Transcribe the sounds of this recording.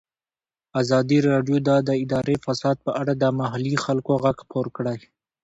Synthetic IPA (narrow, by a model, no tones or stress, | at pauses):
azɑd̪iɾɑɖjod̪ɑd̪əɪd̪ɑɾefasɑd̪̚pəʔaɽad̪əmaɦalixalkoɣaɡxpoɾkɽaj